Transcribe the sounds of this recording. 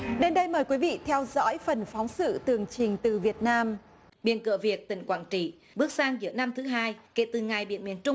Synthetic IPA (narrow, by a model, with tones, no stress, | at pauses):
ɗe˧nɗə˧jməː˨˩jkwi˨˦vḭ˧˨t̪ʰɛ˧wzɔ̰˧˥jfə˨˩nfɔ˨˦wŋ͡msɨ̰˧˨t̪ɨ˨˩əŋt͡ɕï˨˩ŋ̟t̪ɨ˨˩vi˨˩ət̚naː˧m | ɓḭ˧˨ənkɨ̰˧˨əvi˨˩ət̚t̪ï˧˩ŋ̟kwaː˧˩nt͡ɕḭ˧˨ | ɓɨ˦˥ək̚saː˧ŋzɨ̰˧˩əna˧mt̪ʰɨ˨˦ɦaː˧jkḛ˧˩t̪ɨ˨˩ŋa˨˩jɓḭ˧ənmi˨˩ənt͡ɕʊ˧ŋ͡m